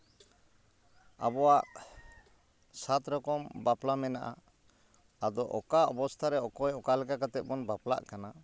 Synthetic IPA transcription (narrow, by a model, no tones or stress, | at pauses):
a̰bɔwaʔ | sat̪ɾɔkɔmbaplamɛnaʔa̰ː | d̪ɔʔɔ̰kaɔbɔst̪ʰaɾɛɔkɔjɔkalɛkakat̪ɛt̪̚bɔnbapla̰ʔkana